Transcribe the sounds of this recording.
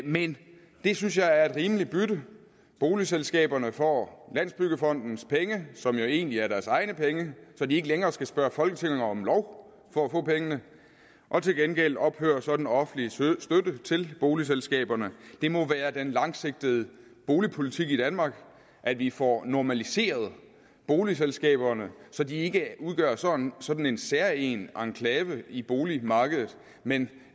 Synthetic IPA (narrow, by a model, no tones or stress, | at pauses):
men | d̥e̝synsjɑ̈ɪæɐe̝d̥ʁiːməlib̥yɾə | b̥o̝ːliselsɡ̥ɛ̰ːb̥ɐnəfɒ̰ːlæn̰sb̥yɡ̥əfɒ̽n̰d̥n̩spʰeŋəsɒ̽mjo̝e̝ːnliæɐɾæɐsɑ̈ɪnəpʰeŋəsɒ̽die̝ɡ̥əleŋɐːsɡ̥æsb̥ɶːɐfɒ̽lɡ̥ət͡sʰe̝ŋ̰eŋɐɒ̽mlɒʊ | fɒ̽æfɔ̰̽ːpʰeŋənə | ʔɒ̽t͡sʰe̝lɡ̥enɡ̥el̰ɒ̽b̥hø̰ːɐsɒ̽d̥n̩ɒ̽fn̩lisd̥ødət͡sʰe̝lb̥o̝ːlis̬elsɡ̥ɛ̰ːb̥ɐnəd̥e̝mɒ̽ʋæːɐd̥enlɑ̈ŋse̝ɡ̥̚d̥əð̞̩ˠ | b̥o̝ːlipʰo̝lit͡sʰiɡ̥id̥ænmɑ̈ːɡ̥ | ʔæd̥ʋifɒnɒmælise̝̰ːɐð̞̩ˠ | b̥o̝ːlis̬elsɡ̥ɛ̰ːb̥ɐnəsɒ̽d̥ie̝ɡ̥əuðˠɡ̥ɶːɐsɒ̽sɒ̽d̥n̩e̝nsæɐḛːnʔɑ̈ŋkʰlɛːʋəib̥o̝ːlimɑ̈ːɡ̥əðˠð̩ˠ | men